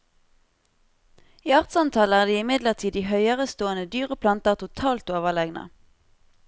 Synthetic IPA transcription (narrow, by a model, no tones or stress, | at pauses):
iːɑʁt̪sɑnt̪ʰɑləæːʁd̪iːɪmɪd̪ləʁt̪ʰiːd̪iːɦœʏəʁəst̪oːənəd̪yːʁəpʰlɑnt̪əʁt̪ʰʊt̪ʰɑːlt̪oːʋəlɛɡnə̰